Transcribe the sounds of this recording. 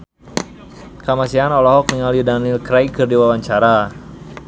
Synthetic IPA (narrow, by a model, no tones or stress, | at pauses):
kamasianɔlɔɦɔk̚niŋalidanilkɾajkərdiwawaɲt͡ʃaɾa